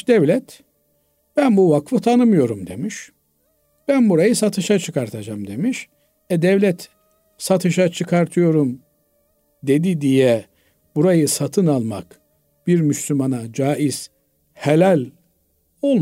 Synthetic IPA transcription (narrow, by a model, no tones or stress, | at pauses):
d̪̥ɛvlʲɛt̪ | b̥ænbuvakfɯt̪ʰanɯmɯjo̞ɾumd̪e̞miʃ | b̥ænbuɾajɯsat̪ʰɯʃat͡ʃʰɯkaɾt̪ʰad͡ʒamd̪e̞miʃ | ɛd̪ɛvlʲɛt̪ | sat̪ʰɯʃat͡ʃʰɯkʰaɾt̪ʰɯjo̞ɾum | d̪e̞d̪id̪ijɛ | b̥uɾajɯsat̪ʰɯnalˠma̰k | b̥iɾmyslʲymanad͡ʒaːiz̥ | helʲalʲ | o̞lˠ